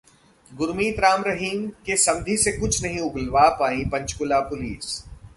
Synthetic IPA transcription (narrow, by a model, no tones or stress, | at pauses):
ɡʊɾmiːt̪ɾaːmɾɐɦiːmkesɐ̃md̪ʱisekʊt͡ʃʰnɐɦĩʊɡlʋaːpaːĩpɐ̃ɲt͡ʃkʊlapʊliːs